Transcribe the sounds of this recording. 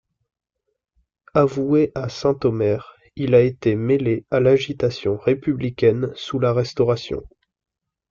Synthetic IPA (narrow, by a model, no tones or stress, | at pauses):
avueʔasɛ̃t̪ɔmɛʁ | ilaet̪emelealaʒit̪asjɔ̃ʁepyblikʲɛnsulaʁɛst̪ɔʁasjɔ̰̃